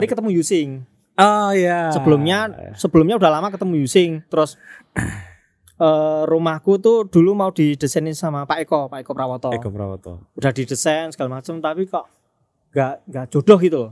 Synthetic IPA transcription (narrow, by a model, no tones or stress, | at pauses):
aɾikət̪əmujusɪŋ | ɔjasəbəlʊmɲasəb̥əlʊmɲaudahlamakət̪əmujusɪŋt̪əɾʊs | əɾumahkut̪ud̥ṳlumaud̥i̤d̥əsɛnisamapaekɔpaʔekɔpɾawɔt̪ɔa̰wɔ̰t̪ɔ̰ud̥ahd̥id̥əsɛnsə̥ɡ̥alamat͡ʃəmt̪apikɔʔ | ŋɡaʔŋɡaʔd̥ʒ̥oɖ̥ɔɦɡit̪u